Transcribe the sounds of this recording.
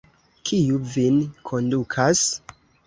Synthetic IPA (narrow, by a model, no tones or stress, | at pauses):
kʰijuvinkʰo̞ndukʰas